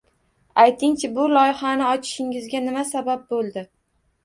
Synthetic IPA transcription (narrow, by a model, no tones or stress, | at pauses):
ajt̪ʰɪŋt͡ʃʰɪbʊlˠɒjɪχanɪɒt͡ʃʰɪ̥ʃɪŋɪzɡʲanɪmasabap̚bolˠd̪ɪ